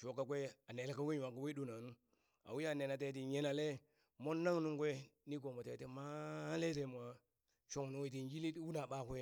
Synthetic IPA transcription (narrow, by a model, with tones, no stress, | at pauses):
ʃo˨˦kːa˦kʷe˦a˨ne˨le˦ka˦we˦ɲ˨a˨ka˦we˦du˦˨na˨nu˦ | a̰˨wi˦a˦˨ne˨na˨t̬e˦ti˨ɲe˦na˨le˦ | mo˦nː˦a˦ŋ˦nu˦ŋkʷe˦ni˦k̬o˨mo˨te˨˦te˦ma˦le˦te˨mʷ˨a˨ | ʃo˦ŋ˨nu˦i˦˨t̬i˨n˦d͡ʒi˦li˦twu˦na˨ba˦˨kʷe˦